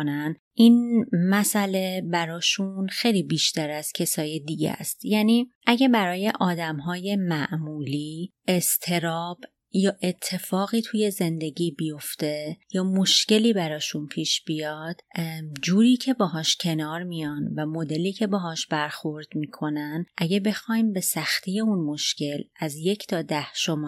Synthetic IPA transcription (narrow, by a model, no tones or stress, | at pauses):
næn | ʔiːnmæsæle̞bæɾɒːʃunxe̞jliːbiːʃt̪æɾæz̥cʰe̞sɒːjed̪iɟḛst̪jæːniːʔæɟæbæɾɒːje̞ʔɒːd̪æmɦɒːje̞mæʔmuːliː | e̞st̪ʰe̞ɾɒːb̥ | jɒːʔe̞t̪ʰːe̞fɒːɣiːt̪ʰuːje̞ze̞nd̪e̞ɟiːbijo̞ft̪e̞jɒːmoʃce̞liːbæɾɒːʃunpʰiːʃb̥ijɒːd̪̥d͡ʒuːɾiːcʰe̞beːɦɒːʃcʰe̞nɒːɾmijɒnvæmo̞d̪e̞liːcʰe̞beɦɒːʃb̥æɾxo̞ɾd̪̥miːkʰo̞nænʔæɟebe̞xɒːjmbe̞sæxt̪ʰiːje̞unmo̞ʃce̞læzje̞cʰt̪ʰɒːd̪æhʃomɒː